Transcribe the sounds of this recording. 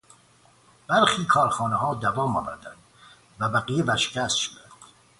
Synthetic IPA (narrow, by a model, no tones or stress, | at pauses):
b̥æɾxiːkʰɒːɾxɒːneɦɒːd̪ævɒːmɒ̰ːvæɾd̪ænd̪̥ | væbæɣijevæɾʃe̥cʰʲæst̪ʃod̪ænd̪̥